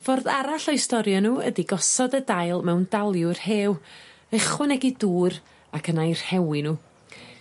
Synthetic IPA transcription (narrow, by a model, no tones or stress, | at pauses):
vorðaɾaɬɔɨstɔɾjɔnuːə̰diɡɔsɔdədajlˠmɛwndalˠjʊrheːw | əχwɔnɛɡiduːɾ | akʰənajrhɛwɪnuː